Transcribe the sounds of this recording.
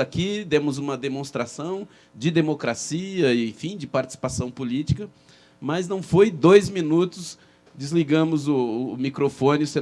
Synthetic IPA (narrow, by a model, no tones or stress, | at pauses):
akid̪ẽmʊzũmɐd̪emõst̪ɾasɐ̃w̃ | d͡ʒɪd̪emokɾasiɐɪẽfĩd͡ʒɪpaɾt͡ʃɪ̥si̥pasɐ̃w̃pulit͡ʃi̥kɐ | mɐznɐ̃w̃fojd̪ojzmĩnut̪ʊs | d͡ʒɪzliɡɐ̃mʊzʊːmikɾofõnɪʊsẽ